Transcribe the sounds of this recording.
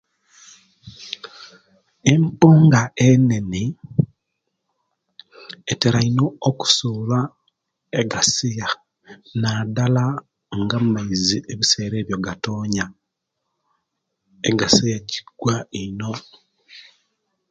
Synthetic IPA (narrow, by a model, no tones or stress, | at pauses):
e̞mpuːŋɡaene̞ni | eteɾainooku̥suβa | eɡasija | nadala | ŋɡamumaiziʔeβise̞ːɾe̞ːβjo̞ɡatoːɲa | eɡasijaci̥ɡ̥waino̞